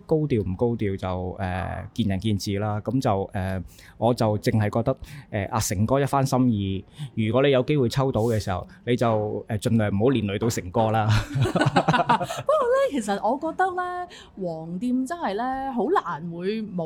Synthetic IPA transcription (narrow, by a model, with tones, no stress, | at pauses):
ko˥wt̪iː˨˧wm̩˨˩ko˥wt̪iː˨˧wt͡sɐ˨wɛ̰ː˨kiː˧njɐ˨˩nkiː˧nt͡siː˨laː˥kɐ˨˥mt͡sɐ˨wʔɛː˨ | ŋʔɔː˨˧t͡sɐ˨wt͡sɪ˨ŋhɐ˨jkɔ˧k̚t̪ɐ˥k̚ʔɛː˨ʔaː˧sɪ˨˩ŋkɔː˥jɐ˥t̚faː˥nsɐ˥mjiː˨˧jyː˨˩kɔː˨˥le˨˧jɐ˨˧wke˥jwu˨jt͡sʰɐ˥wt̪o˨˥wkɛː˧siː˨˩hɐ̰˨˩wne˨˧jt͡sɐ˨wɛː˨t͡ʃɵ˧nlœː˨˩ŋm̩˨˩ho˨˥wliː˨nlɵ˨˧t̪o˧wsɪ˨˩ŋkɔː˥laː˥ | pkɔː˧lɛː˥kʰe˨˩js̬ɐ˨t̚ʔɔː˨˧kɔː˧k̚t̪ɐ˥k̚lɛː˥ | wɔː˨˩ŋt̪iː˧mt͡sɐ˥nhɐ˨jlɛː˥ɦo˨˥wlaː˨˩nwuː˨˧jmo˨